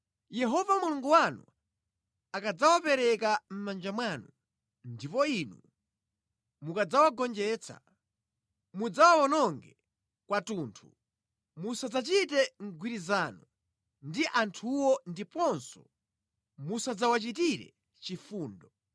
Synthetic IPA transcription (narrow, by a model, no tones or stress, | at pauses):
jɛɦɔvamuluŋɡuwanṵ | akad͡zawapɛɾɛkam̩mand͡ʒamwanu | ndipɔinṵ | mukad͡zawaɡɔnd͡ʒɛːt͡sʰa̰ | mud͡zawawɔnɔŋɡɛ | kwatuntʰu | musad͡zat͡ʃitɛŋɡwiɾizanu | ndiʔantʰuwɔndipɔnsɔ | musad͡zawat͡ʃitiɾɛ̰ | t͡ʃifuːndɔ